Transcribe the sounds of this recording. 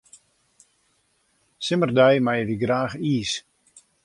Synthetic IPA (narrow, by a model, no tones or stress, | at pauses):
sɪmərdɛjmajəʋiɡraːxiːs